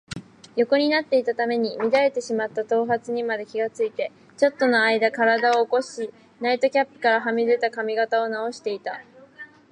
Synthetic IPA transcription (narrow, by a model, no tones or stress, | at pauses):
jo̞ko̞ɲ̟inat̪ːe̞it̪at̪ame̞ɲ̟imʲid̪aɾe̞t̪e̞ɕimat̪ːat̪o̞ːɦat͡sɨɲ̟imad̪e̞kʲiɡat͡sɨit̪e̞ | t͡ɕo̞t̪ːo̞noaid̪akaɾad̪ao̞ːko̞ɕi | nait̪o̞kʲapːɯ̟̥kaɾaɦamʲid̪e̞t̪akamʲiɡat̪ao̞nao̞ɕi̥t̪e̞it̪a